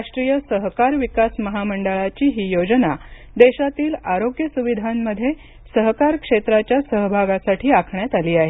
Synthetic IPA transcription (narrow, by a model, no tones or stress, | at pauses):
ɾaʂʈɾiːjəsəɦkaɾʋikasməɦaməɳɖəɭat͡ɕiːɦiːjod͡ʑna | d̪eɕat̪iːlaɾoɡjəsuʋid̪ʱamːəd̪ʱːje | səɦkaɾkʂet̪ɾat͡ɕjasəɦbʱaɡasaʈʰiːakʰɳjat̪aliːaɦe